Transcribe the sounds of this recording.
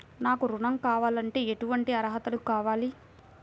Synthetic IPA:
naːkuɾuɳɐmkaːʋaːlɐɳʈe̞ːeʈuʋɐɳʈiɐɾɐɦɐt̪ɐlukaːʋaːli

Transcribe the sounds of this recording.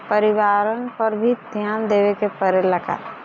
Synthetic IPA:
pəɾɪʋaːɾənpəɾbʱid̪ʱjaːnd̪eːʋekepəɾeləɡa̰ː

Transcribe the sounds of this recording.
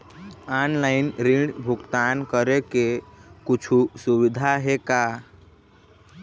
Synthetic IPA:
aːnlaːɪnɾɪ̃ɖbʱʊɡt̪aːnkəɾekekʊt͡ʃʰusʊʋɪd̪ʱaɦekaː

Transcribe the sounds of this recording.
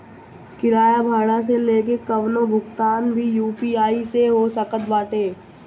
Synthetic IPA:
kɪɾaːjabʱaːɽ̃as̬eleːk̬ekəʋnobʱʊkt̪aːnbʱijuːpiaːiseɦoːsəkət̪baːʈeː

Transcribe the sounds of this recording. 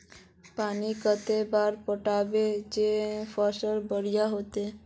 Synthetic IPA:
panikət̪ebaɾpɔʈabed͡ʑefɔʃɔɾbɔɽijaɦot̪e

